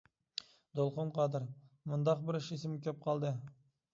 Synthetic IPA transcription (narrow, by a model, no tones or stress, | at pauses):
d̪olˠχonqʰɑd̪ɪɾ | mʊnd̪ɑq̚bɪɾɪʃesɪmkʲʰæp̚qʰɑlˠd̪ɨ